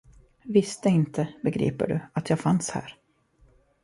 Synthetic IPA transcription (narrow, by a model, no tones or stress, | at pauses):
vɪst̪əɪnt̪ʰəbɛɡɾḭːpə̰ɖɵ̰at̪ʰjɑːɡfanshæ̰ːɾ